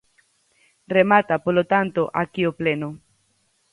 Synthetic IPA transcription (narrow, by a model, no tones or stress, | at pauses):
remat̪apolot̪ant̪oʔakiopleno